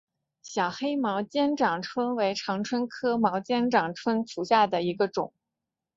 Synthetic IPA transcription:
ɕjɑ˨˩ʊxe˥ɪmɑ˧˥ʊt͡ɕjɛ˥nʈ͡ʂɑ˨˩ŋʈ͡ʂʰwə˥nwe˧˥ɪʈ͡ʂʰɑ˧˥ŋʈ͡ʂʰwə˥nkʰɤ˥mɑ˧˥ʊt͡ɕjɛ˥nʈ͡ʂɑ˨˩ŋʈ͡ʂʰwə˥nʈ͡ʂʰu˨˩ɕja˥˩d̪ə˩i˧˥ɡə˧ʈ͡ʂʊ˨˩˦ŋ

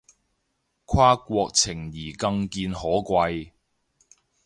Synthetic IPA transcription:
kʷʰwaː˥kʷɔː˧k̚t͡sʰɪ˨˩ŋjiː˨˩kɐ˧ŋkiː˧nɦɔː˨˥kʷɐ˧j

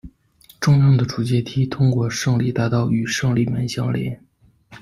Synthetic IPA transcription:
ʈ͡ʂʊ˥ŋjɑ˥˩ŋd̪ə˩ʈ͡ʂu˨˩t͡ɕjɛ˥˩t̪ʰi˥t̪ʰʊ˥ŋkwɔ˥˧ʂɤ˥˧ŋli˥˩t̪a˧˥t̪ɑ˥˩ʊy˨˩ʂɤ˥˧ŋli˥˩mə˧˥nɕjɑ˥ŋljɛ̰˧˥˦n

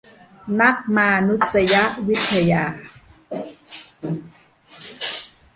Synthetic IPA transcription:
na˦˥k̚ma˧nu˦˥t̪̚sa˧ja˦˥ʔwi˦˥t̪ʰːa˧jaː˧˩

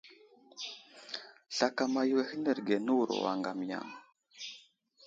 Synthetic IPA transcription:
ɬa˨ka˨ma˨jwe˦hi˦nə˨ɾɡe˨nu˦˨ɾo̰˨wa̰˨ŋɡa˨m˨ja̰˨ŋ

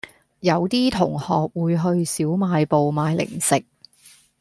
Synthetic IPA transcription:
jɐ˨˧wt̪iː˥t̪ʰʊ˨˩ŋhɔː˨k̚wuː˨˧jɦɵ˧ɥsiː˨˥wmaː˨˧jpo˨wmaː˨˧jlɪ̰˨˩ŋsɪ˨k̚

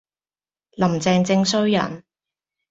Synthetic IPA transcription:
lɐ˨˩mt͡sɛː˧ŋt͡sɪ˧ŋsɵ˥ɥjɐ̰˨˩n

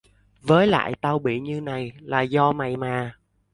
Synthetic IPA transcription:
vəː˨˦jla̰ː˧˨jt̪a˧wɓḭ˧˨ɲɨ˧na˨˩jlaː˨˩zɔ˧ma˨˩jmaː˨˩

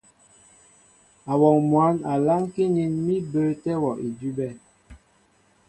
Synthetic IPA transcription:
a˨wɔ˨ŋmwa˨˦na˨la˦ŋki˦ni˦nmi˦bə˦tɛ˦wɔ˨ʔi˨di˦bɛ˦˨

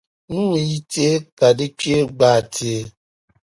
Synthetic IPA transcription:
nũ˦i˨˦te˦ka˨di˦t͡ʃe˦ɡ͡ba˨ti˨e˨

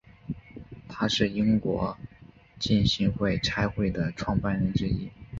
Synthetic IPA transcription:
t̪ʰa˥ʂɻ̩˥˩i˥ŋkwɔ̰˧˥ | t͡ɕi˥˩nɕi˧˥ŋxwe˥˩ɪʈ͡ʂʰa˥ɪxwe˥˩ɪd̪ə˩ʈ͡ʂʰwɑ˥˧ŋpa˥˩nɻə˧˥nʈ͡ʂɻ̩˥i˥

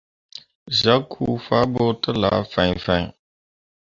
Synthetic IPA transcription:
za˦kʰu˦fa˦bo˦tə˦la̰˨˦fã˨fã˨ɲ˨

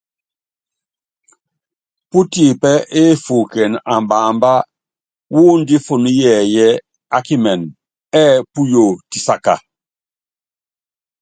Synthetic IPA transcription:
pu˦ti˨pɛ˦e˦fu˨kɛ˨na˨mbaː˨mba˦ | wu˦ndi˦fo˨nu˦jɛ˨jɛ˦ | a˦ki˦mɛ˨n | ɛ˦pu˦jo˨ti˨sa˦˨ka̰˨

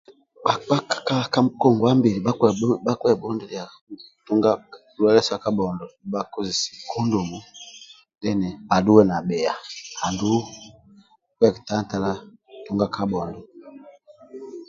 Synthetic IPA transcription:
ba˨a˦ka˨ka˦˨ka˦mkɔ˦˨ŋɡɔ˨a˦mbi˨li˨ɓa˦˨˦ɓa˦kwɛ˦˨bɔ˦ndɛ˦li˨a˨ | tu˦ŋɡa˦ | u˦ɛ˦lɛ˦sa˨ka˦bɔ˨ndɔ˨i˨ba˦ku˦zi˨si̥˨kʰɔ˦ndu˨mu˨ | dɛ˦nɛ˨ba˨du˦wɛ˦na˨bɛ˨a̰˨ha˨ndu˦ | kwɛ˦˨ki˨ta˦n˦ta˨la˦tu˦ŋɡa˦kʰa˦bɔ˨ndɔ˨

